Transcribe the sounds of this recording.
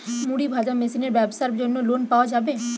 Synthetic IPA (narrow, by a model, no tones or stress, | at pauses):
muɽibʱaːd͡ʒamesineɾʋɛːbsəɾbd͡ʒonːõloːnpaːod͡ʒaːbeː